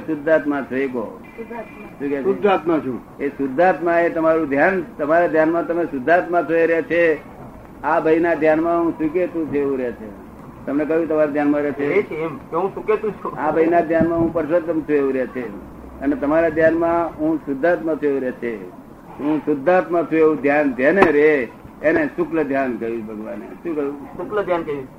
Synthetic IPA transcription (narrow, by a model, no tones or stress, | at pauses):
sʊd̪ʱːat̪mãt̪ʰoeko̰ | sukesʊd̪ʱːat̪mãt͡ʃʰũ | esʊd̪ʱːat̪mãet̪əmaɾũd̪ʱjant̪əmaɾad̪ʱjanmãt̪əmesʊd̪ʱːat̪mãt̪ʰoeɾɛt͡ʃʰe | abʱəinad̪ʱjanmãɦũsʋik̬et̪ũt͡ʃʰeeʋũɾɛt͡ʃʰḛ | t̪əmnekəɦjũt̪əmaɾad̪ʱjanmãɾɛt͡ʃʰeet͡ʃʰemeɦũsʊket̪ũt͡ʃʰuabʱəinad̪ʱjanmãɦũpəɾʃod̪əmt̪ʰueʋũɾet͡ʃʰe | ənet̪əmaɾad̪ʱjanmãɦũsʊd̪ʱːat̪mãt̪ʰueũɾet͡ʃʰe | ɦũsʊd̪ʱːat̪mãt̪ʰueʋũd̪ʱjand͡ʒ̪eneɾe | enesʊkləd̪ʱjankəjũbʱəɡʋanḛʃũkəjũsʊkləd̪ʱjankəjũ